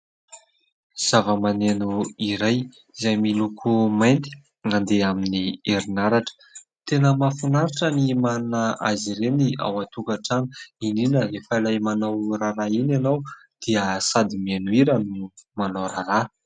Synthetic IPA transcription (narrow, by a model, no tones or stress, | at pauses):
z̥avəmanenuiɾaj | zajmilukʰumajnt̪i̥ | nand̪eaminieɾinaɾaʈ͡ʂə̥ | t̪enəmafunaɾaʈ͡ʂənimanunaaziɾenia̰wat̪ukaʈ͡ʂanə̥ininəlefaalajmanawraɾainanaw | d̪̥iəsad̪imianuiɾənumanawɾaɾa